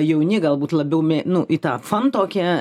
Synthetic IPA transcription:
jɛʊnʲɪɡɐlˠbuːt̪lˠɐbʲɛʊmʲɛnʊʔɪt̪ɑːfɐnt̪oːkʲiɛ

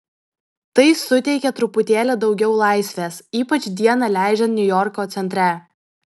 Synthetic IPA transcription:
t̪ɐɪsʊt̪ʲɛɪkʲɛt̪ɾʊpʊt̪ʲeːlʲɛd̪ɒʊɡʲɛʊlˠɑˑɪsʲʋʲeːsiːpɐt͡ʃʲd̪ʲiɛnɐlʲæˑɪd͡ʒʲɛnnʲʊjɔɾkoːt̪sʲɛnʲt̪ʲɾʲɛ

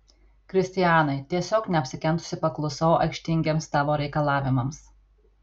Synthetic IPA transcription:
kɾʲɪsʲt̪ʲɪjæːnɐɪt̪ʲiɛsʲoːknʲɛɐpʲsʲɪkʲɛnˑt̪ʊ̥sʲɪpɐklˠʊsoːɐ̰ɪkʃʲt̪ʲɪŋʲɡʲeːmsːɑːʋoːɾʲɛɪkɐlˠɑːʋʲɪmɐms

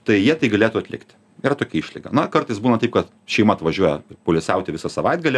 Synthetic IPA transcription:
t̪ɐɪjiɛt̪ɐɪɡɐlʲeːt̪uːɐt̪lʲɪ̰kt̪ʲ | iːɾɐt̪oːkʲɛiːʃʲlʲɪɡɐ̰nɐkɐrt̪ɐɪsbuːnɐt̪ɐɪpkɐt̪ | ʃʲɛɪmɐɐt̪ʋɐʒʲuɔjɛpoːlʲɪsʲɛʊt̪ʲɪʋʲɪsɐsɐʋɐɪd̪̚ɡɐlʲɪ

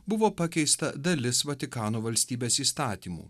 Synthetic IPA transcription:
bʊʋoːpɐkʲɛɪst̪ɐd̪ɐlʲɪsʋɐt̪ʲɪkɑːnoːʋɐlʲsʲt̪ʲiːbʲeːsiːst̪ɑːt̪ʲiːmṵː

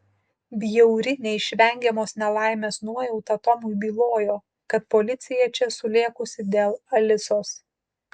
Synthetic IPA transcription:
bʲjɛʊɾʲɪnʲɛɪʃʲʋʲɛŋʲɡʲɛmoːsnʲɛlˠɑˑɪmʲeːsnuɔjɛʊt̪ɐt̪ɔmʊɪbʲiːlˠoːjoː | kɐt̪̚pɔlʲɪt̪sʲɪjɛt͡ʃʲɛsʊlʲeɛkʊsʲɪd̪ʲeːlˠɐlʲɪsoːs

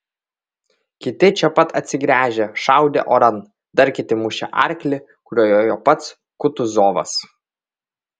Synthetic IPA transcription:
kʲɪt̪ʲɪt͡ʃʲɛpɐt̪ɐt̪ʲsʲɪɡɾʲæːʒʲeʃɑˑʊd̪ʲḛʔoːɾɐn | d̪ɐɾʲkʲɪt̪ʲɪmʊʃʲɛ̰ʔɐ̰ɾʲklʲɪ | kʊɾʲoːjoːjopɐt̪s | kʊt̪ʊzoːʋɐ̰s

